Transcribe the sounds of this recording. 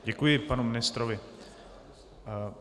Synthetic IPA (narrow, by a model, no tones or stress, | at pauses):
ɟɛkujɪpanumɪnɪst̪ɾovɪ